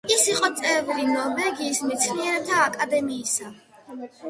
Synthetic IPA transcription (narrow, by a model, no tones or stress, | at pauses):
isiqʼɔt̪sʼɛvuɾinɔɾvɛɡiːsmɛt̪sʰniɛɾɛb̚t̪ʰaːkʼad̪ɛmiːsa